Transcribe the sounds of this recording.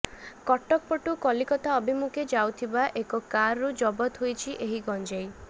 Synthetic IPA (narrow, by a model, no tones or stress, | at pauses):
kɔʈɔk̚pɔʈukɔlikɔt̪ʰaɔbʱimukʰed͡ʒawt̪ʰibaʔekɔkaɾːud͡ʒɔbɔt̪ɦujt͡ʃʰiʔeɦiɡɔnd͡ʒej